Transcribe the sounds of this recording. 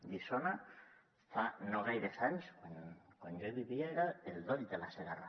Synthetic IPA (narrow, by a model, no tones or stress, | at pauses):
d̪isona | fanoɣajɾesaɲskwankwand͡ʒoβiβjeɾaeld̪oʎd̪elaseɣara